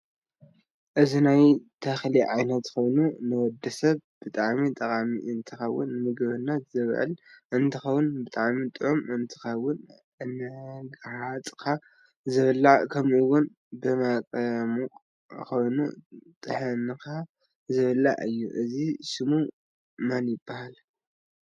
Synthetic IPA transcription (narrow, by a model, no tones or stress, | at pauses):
ʔɨzinajt̪ʰɐxliʕajnɐt̪ko̞jnunɨwɔd̪ːɐsɐβb̥ɨt̪ʼaʕmit̪ʼɐkʼamḭʔɨnt̪ʰɨxɐwːʊnmɨɡβɨnːɐt̪zɨβ̰ʕɨ̰lʔɨnt̪ʰɨxɐwʊnbɨt̪ʼaʕmit̪ʼɨʕumɨnt̪ʰɨ̥xɐwːʊn | ɨnːɐɡʕat͡sʼkʰa | zɨβɨlːakʰɐmʔuwʊn | bɨmakʼmu | ko̞jnṵt̪ʼɨħɨnɨka | zɨβɨlːa̰ʔɨjːṵʔɨziʃɨmu | manjɪbːahal